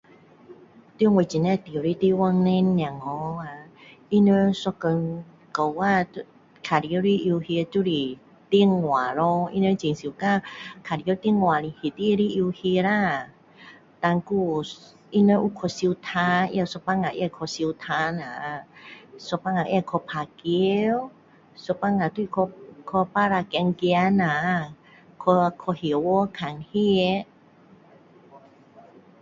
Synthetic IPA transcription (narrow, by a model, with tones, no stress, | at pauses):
t̪jŋwə˧˨t͡ɕi˨nɛ˧t̪i˧˨ɾi˧t̪i˧wa˧ŋnɛ̃˧nː˧a˨˩ŋɔ˧˦a˧i˦nə˧sɔ˧kə˧n | kə˧wwa˧u˧ | kʰa˨ɾi˧ə˧ɾi˦˧ʔi˧whi˧tu˦˧ɾi˧˨ | t̪i˧˨ə˨ŋːwa˨lɔ˦ḭ˦˧nə˧t͡ɕi˨ŋsi˨u˨˧˨ka˧kʰa˨ɾi˧ə˧t̪i˥˧ə˨ŋwa˨li˧hi˨t̪i˦˧ɾi˧ʔi˧hi˧ɾa˧ | t̪a˧ŋku˧ | i˧nə˧ʔu˧kʰɔ˧si˧wt̪ʰa˧jɛ˧sɔ˧pa˧ŋa˨ʔjɛ˧kʰɔ˧si˧wt̪ʰa˧na˨ | sɔ˧pa˧ŋa˨ʔɛ˧kʰɔ˧pʰa˨ki˧w | sɔ˧pa˧ŋa˨t̪u˦i˧kʰɔ˧kʰɔ˧pa˦ɾa˧kɛ˧ŋɡi˧a˧na˨ | kʰɔ˧kʰɔ˧hi˨wɔ˦kʰa˨nhi˦˧